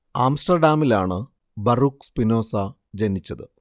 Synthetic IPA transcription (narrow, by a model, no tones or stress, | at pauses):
aːmsʈɐrɖaːmilaːɳɨ | bɐrukspino̞ːsɐ | d͡ʑenit͡ɕːɐðɨ